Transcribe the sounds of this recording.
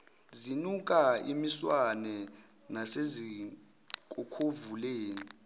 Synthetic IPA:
zinuk̬ʼaimiswanɛ | nasezi | k̬ʼukʰovuleːni

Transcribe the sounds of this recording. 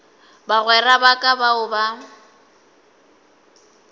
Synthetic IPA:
baɣwɛrabakʼabaʊba

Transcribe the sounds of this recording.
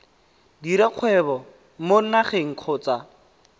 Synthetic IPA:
diɾaq͡χʰwɛbɔ | mon̩naχeŋ̩q͡χʰʊːt͡sa

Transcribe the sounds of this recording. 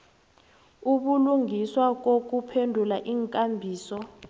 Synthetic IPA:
uɓuluŋiswak̬ok̬upʰendʱulaʔiːŋkʼambʱiːsɔ

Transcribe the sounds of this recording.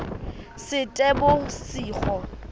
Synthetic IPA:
sɪtʼɛbʊsiːχɔ

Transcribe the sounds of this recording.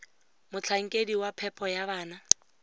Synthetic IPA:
mʊt͡ɬʰaŋ̩kʼediwapʰɛpʰɔjaβaːna

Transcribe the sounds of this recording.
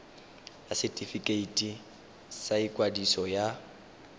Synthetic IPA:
jasɛtʼifikʼeitʼi | saikʼwadisɔja

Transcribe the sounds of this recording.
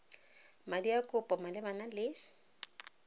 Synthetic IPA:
madiakʼʊpʼɔmalɪbanalɪ

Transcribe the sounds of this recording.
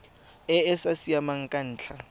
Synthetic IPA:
ɛɛsasiamaŋ̩kʼan̩ːt͡ɬʰa

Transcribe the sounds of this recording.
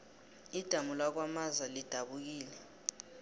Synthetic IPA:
id̥ʱamulak̬wamazalid̥ʱaɓuk̬iːlɛ

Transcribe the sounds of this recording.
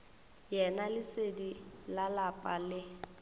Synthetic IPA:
jɛnalɪsedilalapʼalɪ

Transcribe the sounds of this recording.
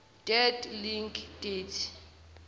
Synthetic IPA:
d̥ɛdliŋkʰʼd̥etʰ

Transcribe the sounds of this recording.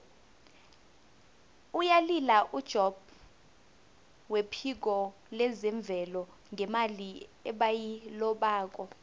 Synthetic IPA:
ujalilaʔud̥ʒ̥ʱɔb̥ | wepʰik̬ɔ | lɛzɛɱb̪vʱɛlɔ | ŋʱɛmaliɛɓajilɔɓaːk̬ʼɔ

